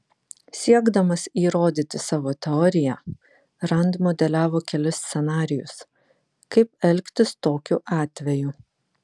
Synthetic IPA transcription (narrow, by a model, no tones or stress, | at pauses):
sʲiɛɡd̪ɐmɐsiːɾoːd̪ʲiːt̪ʲɪsɑːʋoːt̪ʲɛɔːɾʲɪjɛ | ɾɐnd̪mod̪ʲɛlʲæːʋoːkʲɛlʲʊsʲt̪sʲɛnɑːɾʲɪjʊ̰s | kɐɪpɛlʲˑkʲt̪ʲɪst̪oːkʲuʔɑːt̪ʲʋʲɛju